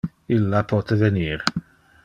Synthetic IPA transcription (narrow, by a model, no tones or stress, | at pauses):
ilːapʰɔːt̪ʰəvɛniːɾ